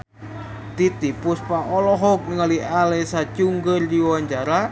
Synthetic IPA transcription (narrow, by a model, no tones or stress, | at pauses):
t̪it̪ipʊspaʔɔlɔɦɔk̚nəŋalialesat͡ʃuŋɡərdiwaɲt͡ʃaɾa